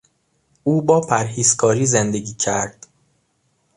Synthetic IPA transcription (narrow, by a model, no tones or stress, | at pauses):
ʔuːbɒːpʰæɾhiːzkʰɒːɾiːzend̪e̞ɟiːcʰæɾd̪̥